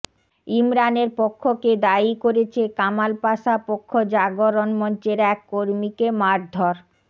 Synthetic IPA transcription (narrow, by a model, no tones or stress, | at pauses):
imɾaneɾpokʰːoked̪aikoɾet͡ɕʰekamalpaʃapokʰːod͡ʑaɡoɾonmɔnt͡ɕeɾɛkːoɾmikemaɾd̪ʱɔɾ